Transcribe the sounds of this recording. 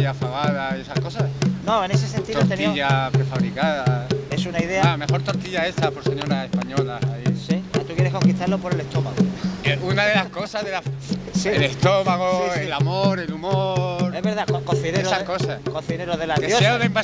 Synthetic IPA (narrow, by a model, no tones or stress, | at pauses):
afaɣaðaiesahko̞sano̞enes̬ese̞nt̪iooɾt̪et̪iʎapɾefaβɾikaðae̞sunaiðe̞ame̞xo̞ɾt̪oɾt̪iʝae̞sapo̞ɾseɲoɾase̞spaɲo̞lasaisiat̪ukjeɾe̞hko̞ŋkiht̪aɾlo̞po̞ɾe̞le̞ht̪o̞maɣounaðe̞lasko̞saɦðelasielest̪omaɣoelamoɾe̞lumoɾeɦβeɾðakokoθineɾosakosakoθineɾoðelaðejoseoðempa